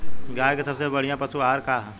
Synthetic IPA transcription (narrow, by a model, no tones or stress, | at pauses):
ɡaːjkesɐbsebɐɽ̤ijãpɐsuaːɾkaːɦ